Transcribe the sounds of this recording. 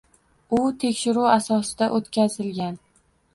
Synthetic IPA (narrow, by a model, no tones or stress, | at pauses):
ʊt̪ʰe̞kʲʃɪɾuasɒsɪd̪aʔot̪kʲazɪlɡʲan